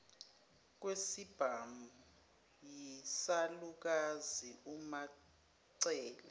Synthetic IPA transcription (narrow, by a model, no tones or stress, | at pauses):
k̬wesib̥ʱamu | jisaluk̬aziuma | ǀɛːlɛ